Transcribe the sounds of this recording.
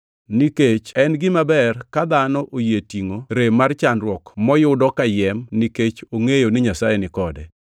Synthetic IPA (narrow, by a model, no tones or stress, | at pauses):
niket͡ʃɛnɡɪmabɛrkad̪anɔʔojetiŋoɾemart͡ʃanɾwɔkmɔjʊdɔkajɛmniket͡ʃoŋejonɪɲasajɛnɪkɔdɛ̰